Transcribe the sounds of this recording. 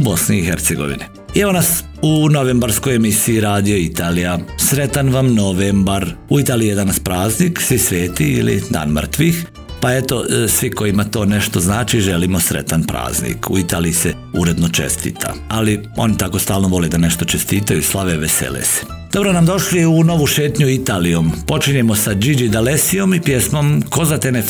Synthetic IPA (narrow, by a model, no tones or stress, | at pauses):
ubo̞sniːxeɾt̪seɡo̞̰ʋḭni | eʋonas | unoʋeːmbaɾsko̞jemisiiɾaːd̪io̞it̪aːlijasɾe̞t̪anʋamno̞ʋembaɾuit̪aːliied̪anaspɾaːzniːksʋisʋeːt̪iḭlḭd̪a̰ːnmər̩t̪ʋix | paet̪o̞sʋiko̞jimat̪o̞ːneʃt̪o̞znaːt͡ʃiʒeliːmosɾḛt̪anpɾa̰ːznḭːkṵit̪aːliise | uɾe̞d̪not͡ʃḛst̪ḭːt̪ʰa̰alio̞̰nit̪ako̞st̪aːlˠno̞ʋo̞led̪aneʃt̪o̞t͡ʃest̪iːt̪ajuislˠaʋeʋesḛlḛse̥ | d̪̥obɾonamd̪o̞ʃliuno̞ʋuʃe̞ːt̪ɲuit̪aːlijo̞mpo̞t͡ʃiɲemosad͡ʒid͡ʒid̪alesijo̞mipjesmo̞mko̞zat̪ene